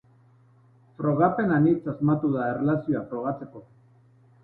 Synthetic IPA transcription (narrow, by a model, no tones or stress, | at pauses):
fɾo̞ɣ̞ape̞nanit͡sazmat̪uðaerelasio̞afɾo̞ɣ̞at͡se̞ko̞